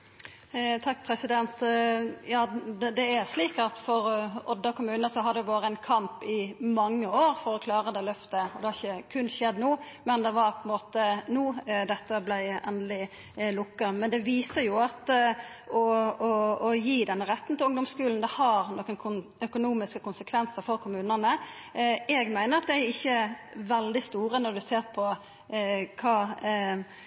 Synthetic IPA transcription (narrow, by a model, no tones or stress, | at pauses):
t̪ʰɑkːpʰɾɛsɪd̪ɛnt̪jɑːd̪d̪ɛæɾsliːkɑt̪fɔɾɔd̪ːəkʰʊmʉːnəsɔɦɑd̪ɛɛʋɑːɾəæɪnkʰɑmpɪmɑŋːəoːɾfɔɾɔkʰlɑːɾəd̪ɛːlœft̪əɔd̪ɛhɑɾɪçəkʰʉnʃɛd̪nuːmɛnd̪ɛʋɑɾpʰɔɛnmoːt̪ənuːd̪ɛt̪ːəblæɪɛnd̪lɪ | lʊkːəmɛnd̪ɛʋiːsəɾjʊɑt̪ | ɔɔɔjiːd̪ɛnːəɾɛt̪ːn̩t̪ɪlʊŋd̪ɔmskʉːln̩d̪ɛhɑɾnoːkənkʰʊœkʊnuːmɪskəkʊnsəkʰʋɛnsəɾfɔɾkʰʊmʉːnənə | ɛɡmæɪnəɾɑt̪̚d̪ɛæɾɪçːəʋɛld̪ɪst̪uːɾənɔɾd̪ʉseːɾpʰɔ | kʰɑː